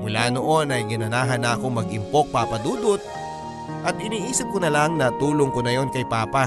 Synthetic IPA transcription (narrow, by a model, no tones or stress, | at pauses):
mʊlaːno̞ʔo̞nɐjɡɪnɐnaːɦɐnako̞mɐɡɪmpo̞k̚paːpɐd̪uːd̪ʊt̪̚ | ʔɐt̪ɪniːʔiːsɐp̚konɐlaŋnɐt̪uːloŋkonɐjo̞nkɐjpaːpa